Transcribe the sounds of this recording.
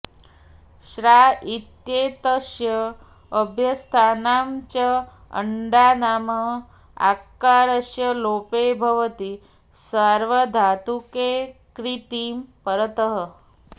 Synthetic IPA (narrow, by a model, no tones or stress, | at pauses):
ʃɾait̪jeːt̪əʃjəː | bʱjəst̪ʰaːnaːmt͡ʃə | ə̰ɳɖaːnaːmə | a̰kːaːɾəʃjəloːpebʱəʋət̪i | səɾʋəd̪ʱaːt̪ukekɾit̪iːmpəɾət̪əɦə